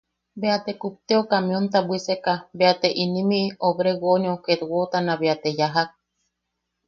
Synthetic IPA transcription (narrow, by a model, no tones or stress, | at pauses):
beat̪ekup̚t̪eokamĩont̪abwisekabeat̪eʔinĩmiʔoβɾeɡoɲõket̪wot̪anãβeat̪ejaɦak̚